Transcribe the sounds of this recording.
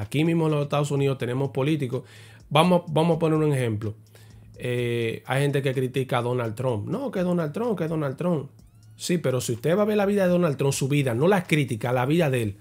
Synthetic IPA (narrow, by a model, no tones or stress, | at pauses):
akimĩɦmohloseht̪aðosuniðost̪e̞nẽ̞mo̞spo̞lit̪ikos | bamobamohapo̞neɾuŋeŋehẽ̞mplo | eajhẽ̞nt̪e̞ke̞kɾit̪ikaðo̞nalt̪ɾõmpnõkeðo̞nalt̪ɾõmkeðo̞nalt̪ɾõm | sipe̞ɾo̞siust̪e̞βaβe̞ɾlaβiðaðe̞ðo̞nalt̪ɾo̞msuβiðano̞laskɾit̪ikalaβiðaðe̞l